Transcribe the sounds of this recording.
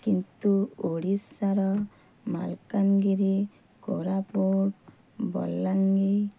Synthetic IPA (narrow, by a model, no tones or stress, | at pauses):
kint̪uoɽisːaɾɔ | ma̰lkaŋɡiɾi | kɔ̰ɾapoʈ | bɔ̰lːaŋɡi